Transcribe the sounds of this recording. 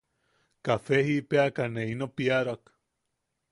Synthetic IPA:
kafeɦipeakaneinopiaɾoak

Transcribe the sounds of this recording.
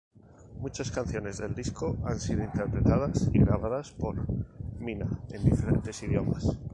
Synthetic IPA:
mut͡ʃaskanθjo̞ne̞zðe̞ld̪isko̞ansiðo̞int̪e̞ɾpɾe̞t̪að̞asḭɣɾaβ̞aðaspo̞ɾminae̞̰nd̪ife̞ɾe̞̰nt̪e̞siðjo̞mas

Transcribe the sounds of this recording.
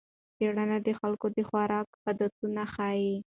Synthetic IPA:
t͡seɽanad̪əxalkod̪əxwaɾɑkhad̪at̪unaxɑji

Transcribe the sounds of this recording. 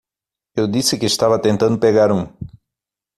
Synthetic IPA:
ewd̪isɪkɪːʃt̪avɐt̪ẽnt̪ɐ̃nd̪ʊpeɣaɾũ

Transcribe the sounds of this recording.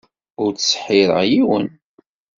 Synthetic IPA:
ʊɾt͡ssħiðˤə̰ʁjiwə̰n

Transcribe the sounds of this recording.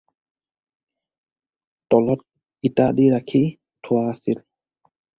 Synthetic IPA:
tɔlɔt̚ | ɡitadiɹakʰi | tʰʊwaːsil

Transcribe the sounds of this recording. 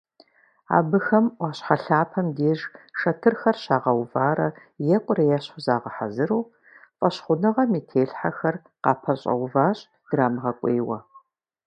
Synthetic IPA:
a̰ːbɨxɐmʔʷɑːɕħaɬaːpʰɐmdeːʒʂɐtʰɨrxɐrɕaːʁɐwvaːɾɐ | jɛkʷʼʊɾɐjɛɕʊzaːʁɐħa̰zɨɾuː | fʼɐɕχʷʊnɨʁɐmeːtʰeːɬħaxɐr | qɑːpʰɐɕʼɐ̰wvaːɕʼ | d̥raːmʁɐkʷʼeːwɐ̰

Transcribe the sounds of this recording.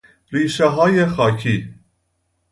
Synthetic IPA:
riːʃaɦɑːjɛxɑːcʰiː

